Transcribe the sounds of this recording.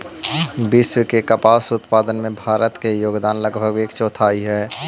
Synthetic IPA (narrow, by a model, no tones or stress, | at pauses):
bɪswəkekəpaːsʊt̪paːd̪ənmẽbʱaːɾət̪kejoːɡd̪aːnləɡbʱəɡeːkt͡ʃɔːt̪ʰaːiɦɛː